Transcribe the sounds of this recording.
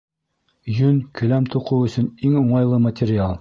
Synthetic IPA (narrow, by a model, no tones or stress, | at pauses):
jɵnkɵ̆læmt̪uqɤwɵ̆sɵ̆niŋŏɴɑjlˠɤmɐt̪ʲɪɾʲɪalˠ